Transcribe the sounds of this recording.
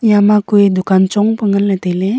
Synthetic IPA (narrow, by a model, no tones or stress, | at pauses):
jamakuid̪ʊkant͡ʃɔŋpəŋɡəlːet̪ele